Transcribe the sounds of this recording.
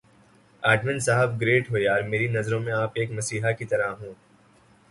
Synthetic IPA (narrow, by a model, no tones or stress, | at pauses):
aːɖmɪ̃nsaɦəfɡɾeːʈɦoːjaːɾmeːɾinɐzɾõmẽaːpeːkmɐsiːɦakit̪ɐɾaɦũː